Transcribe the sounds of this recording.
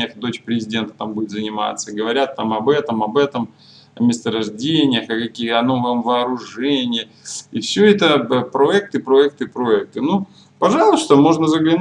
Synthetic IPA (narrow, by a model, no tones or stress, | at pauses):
ɪjəxd̪o̞t͡ɕpɾʲɪzʲɪdʲe̞nt̪ə̥t̪ambudʲɪt̪zənʲɪma̰t̪sːəɡəvɐɾʲat̪ːamɐbɛt̪əmɐbɛt̪əm | ɐ̰mʲɪst̪əɾɐʐdʲenʲɪjəxɐkɐkʲijəɐno̞vɐmvɐːɾʊʐɛnʲɪjə | ifsʲɵɛt̪əpɾoɛk̚t̪ɨpɾoɛk̚t̪ɨpɾoɛk̚t̪ɨnu | pɐʐɑlˠʊst̪əmo̞ʐnəzəɡlʲɪn